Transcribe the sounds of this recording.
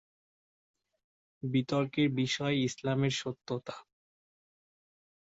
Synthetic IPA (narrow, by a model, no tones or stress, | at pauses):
bit̪ɔɾkeɾbiʃɔeislameɾʃot̪ːot̪ḁ